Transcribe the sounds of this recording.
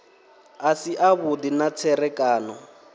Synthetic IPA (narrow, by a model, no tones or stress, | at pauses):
asiʔaβud̪inat͡sʰɛɾɛkʼaːnɔ